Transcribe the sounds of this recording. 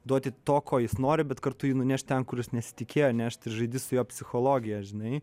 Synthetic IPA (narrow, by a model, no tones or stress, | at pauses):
d̪uɔt̪ʲɪt̪oːkʰoːjɪsnoːɾʲɪbʲɛt̪kɐrt̪ʊjiːnʊnʲæʃʲt̚ʲt̪ʲɛnkʊɾjɪsnʲɛsʲɪ̥t̪ʲɪkʲeːjoːnʲæɐʃʲt̪ʲɪrʒɐɪd̪ʲɪsʊjoːpʲsʲɪxoːlˠoːɡʲɪjɛʒʲɪnɐɪ